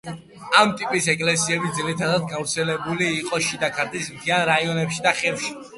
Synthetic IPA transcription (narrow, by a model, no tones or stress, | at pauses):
amt̪ʼipʼisɛkʼlɛsiɛbid̪zilit̪ʰad̪ad̪̚ɡavɾt̪sʰɛlɛbuliːqʼɔʃid̪akʰaɾt̪ʼismt̪ʰianɾaiɔnɛpʃid̪aχɛvʃi̥